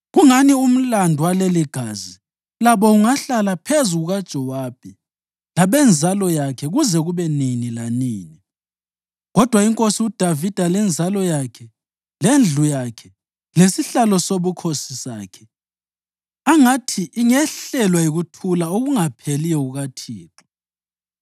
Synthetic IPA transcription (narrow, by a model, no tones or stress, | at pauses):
ɣuŋanium̩landʱuwaleliɡ̥ʱaːzi | laβɔuŋaɬalapʰezuɣuɣad̥ʒ̥ʱɔwab̥̚ʱi | laβɛnd͡zʱalɔjakʰɛɣuzɛɣuβɛninilaniːni | ɣɔd̥ʱwaiŋkʼosiud̥ʱavid̥ʱalɛnd͡zʱalɔjakʰɛ | lend͡ɮʱujakʰɛ | lesiɬalɔsoβukʰosisa̰ːkʰɛ̥ | aŋatʰiʔiŋɛɬɛlwajiɣutʰulaoɣuŋapʰelijɛuɣatʰiːǁu̥